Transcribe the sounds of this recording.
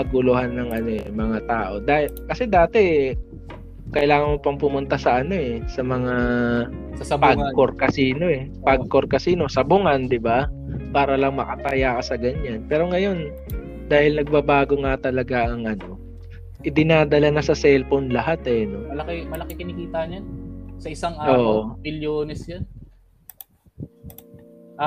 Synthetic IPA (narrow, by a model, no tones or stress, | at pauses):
pɐɡʊlʊhanːɐŋʔɐno̞ʔɛ̰mɐŋat̪aːʔo̞d̪aːhɪlkɐsɛd̪aːt̪ɛ | kɐʔɪlaːŋɐnmopɐŋpʊmʊnt̪asɐʔɐno̞ʔɛsɐmɐŋa | pakoɾkɐsiːno̞ʔɛpɐɡ̚koɾkɐsiːno̞sɐbʊŋand̪ɪbapaːɾɐlɐŋmɐkɐt̪ajakɐsɐɡɐɲanpɛːɾo̞ŋɐjo̞n | d̪aːhɪlnɐɡ̚babaːɡo̞ŋat̪ɐlɐɡaʔɐŋʔɐno̞ | ʔɪd̪ɪnaːd̪ɐlɐnɐsɐsɛlponlɐɦat̪ɛno̞mɐlɐkɛmɐlɐkɪkɪnɪkiːt̪aʔɲansɐʔɪsaŋʔaoːʔomɪljoːnɛsjan